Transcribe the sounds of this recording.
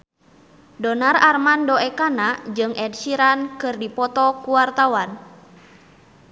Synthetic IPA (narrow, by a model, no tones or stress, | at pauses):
dɔnararmandɔɛkanad͡ʒɨŋɛd̚siɾankɨrdipɔt̪ɔkuwart̪awan